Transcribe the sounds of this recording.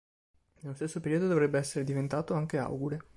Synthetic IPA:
nelost̪esːopeɾiːod̪od̪ovɾebːeɛsːeɾed̪ivent̪aːt̪oaŋkea̰wɡuɾe

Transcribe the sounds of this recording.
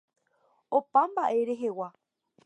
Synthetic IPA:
opambaʔe̞ɾe̞ɦe̞wa

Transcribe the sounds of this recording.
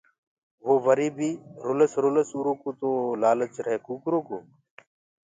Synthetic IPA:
ʋoːʋəɾiːbʱiːɾoːləsɾoːləsuːɾoːkoːt̪oːlaːlət͡ʃɾɦeːkuːkɾoːkoː

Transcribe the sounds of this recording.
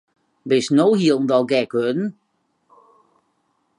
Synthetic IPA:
bɪsnowhiəlˠn̩dɔlˠɡɛkʋødn̩

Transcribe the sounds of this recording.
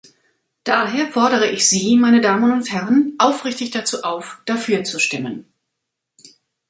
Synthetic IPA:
d̥aːɦeːɐfɔɐɾəʁ̞əʔɪçz̥iːmaɪnədaːmənʊnthɛʁənʔaʊfʁ̥ɪçtɪçd̥at͡suːʔaʊfd̥afyːɐt͡suʃtɪmən

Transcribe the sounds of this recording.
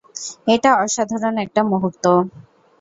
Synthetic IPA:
eʈaɔʃad̪ʱaɾonɛk̚ʈamoɦoɾt̪ːo

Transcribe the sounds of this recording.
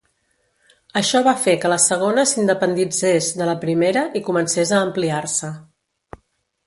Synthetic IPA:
əʃɔβafekələsəɣ̞onəsind̪əpənd̪id͡zezðələpɾimeɾəʔikumənsezəːmpliarsə

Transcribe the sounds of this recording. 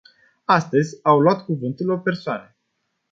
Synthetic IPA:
ast̪əzʲawloat̪kuvɨnt̪ulo̞pe̞rsoanə

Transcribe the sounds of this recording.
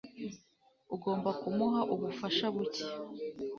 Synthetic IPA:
uɡo̞ːmbakumuɦaʔuβufaʃaβuce̥

